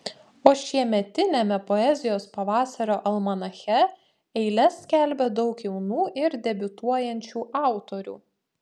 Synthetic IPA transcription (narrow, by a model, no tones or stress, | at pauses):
oːʃʲiɛmʲɛt̪ʲɪnʲɛmʲɛpɔɛzʲɪjoːspɐʋɑːsɐɾʲoːʔɐlˠmɐnɐxʲɛ | ɛɪlʲɛsʲkʲælʲbʲɛd̪ɒʊkjɛʊnuːʔɪɾd̪ʲɛbʲʊt̪uɔjɛnʲt͡ʃʲuːʔɑˑʊt̪oɾʲṵː